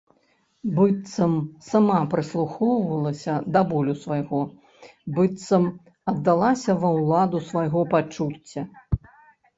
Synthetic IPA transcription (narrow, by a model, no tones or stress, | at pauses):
bɨt̪sɐmsamapɾɨslˠuxɔwvɐlˠɐsʲɐd̪abɔlʲusvajɣɔ | bɨt̪sɐm | ɐd̪ːalˠasʲɐvɐwlˠad̪usvajɣɔpat͡ʂut͡sʲːɐ